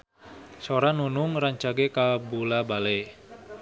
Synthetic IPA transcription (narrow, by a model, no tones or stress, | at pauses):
soɾanunʊŋraɲt͡ʃaɡekabulabale